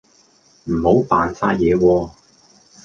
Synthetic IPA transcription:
m̩˨˩ho˨˥wpaː˨nsaː˧˥jɛː˨˧wɔː˧

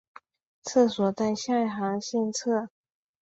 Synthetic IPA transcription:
t͡s̩ʰ˥˩swɔ˨˩t͡sa˥˧ɪɕja˥˩˨xɑ˧˥ŋɕi˥˧nt͡sʰɤ˥˩

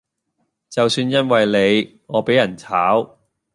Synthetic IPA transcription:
t͡sɐ˨wsyː˧njɐ˥nwɐ˨jle˨˧j | ŋɔː˨˧pe˨˥jɐ˨˩nt͡sʰaː˨˥w

